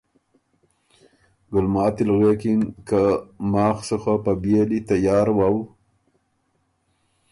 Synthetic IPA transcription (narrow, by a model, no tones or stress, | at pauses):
ɡʊlmɑːt̪ɪlɣekɪnkamɑːxsəxapabjelit̪ajɑːɾwaw